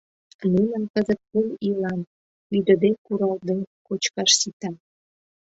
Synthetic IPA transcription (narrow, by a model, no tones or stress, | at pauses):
munə̆nkəzət̪̚pumilɑn | yd̪ə̆d̪ekuɾɑld̪ekot͡ɕkɑʃsit̪ɑ